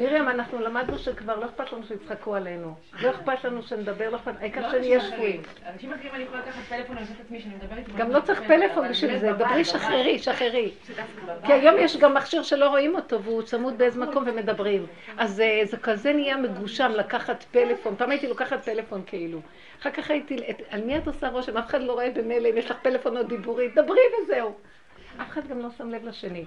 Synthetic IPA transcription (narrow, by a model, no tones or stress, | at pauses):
miʁjamanaχnulamad̪nuʃekvaʁlo̞eχpat̪lanuʃejit͡sχakualenu | lo̞eχpat̪lanuʃened̪abe̞ʁlapanaikaʁʃenijaʃvuim | nimimaniolaakaχat̪fnsetaminietɡamlo̞t͡saʁiχpelefo̞nbeʃilzebebʁiʃaχeʁiʃaχeʁi | kiajo̞mjeʃɡamːaχʃiʁʃe̞lo̞ʁoimo̞t̪o̞vut͡samut̪̚beezemako̞mveme̞d̪abʁim | ʔazzekazenijameɡuʃamlakaχatpe̞le̞fo̞npaːmajitilakaχat̪̚pe̞le̞fo̞nkʰeilu | aχakaχaitietalmiat̪osaʁo̞ʃemafeχadlo̞ʁoebemeleimjeʃlaχpelefonot̚d̪ibuʁid̪abʁivezeu | ʔafeχad̪ɡamlo̞samlevlaʃe̞ni